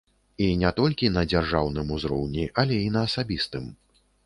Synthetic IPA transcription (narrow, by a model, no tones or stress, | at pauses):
inʲɛt̪ɔlʲkʲinɐd͡zʲarʐawnɨmuzɾɔ̰wnʲiʔalʲɛinɐːsabʲist̪ɨm